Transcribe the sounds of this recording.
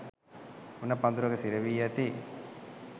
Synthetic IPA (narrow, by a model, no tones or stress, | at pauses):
unːɐpɐnd̪uɾɐkɐsiɾɐʋijɐt̪i